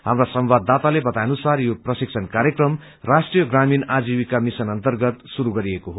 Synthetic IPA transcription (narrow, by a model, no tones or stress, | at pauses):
ɦamrasʌmbad̪ːat̪alebʌt̪ajnusarjoprʌsik̚t͡sʰʌnkaɾjekrʌm | rasʈrijʌɡraminad͡ziwikamisʌnʌnt̪ʌrɡʌt̪suɾuɡʌɾiekoɦo